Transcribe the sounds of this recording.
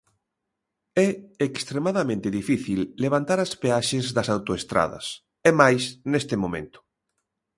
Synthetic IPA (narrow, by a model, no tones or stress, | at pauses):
ɛekst̪ɾemaðɐmẽnt̪eðifiθilːeβ̞ant̪aɾɐspeaʃezðɐsawt̪oest̪ɾa̰ðɐ̰s | ɛmajsnest̪emomḛ̃nt̪ʊ̥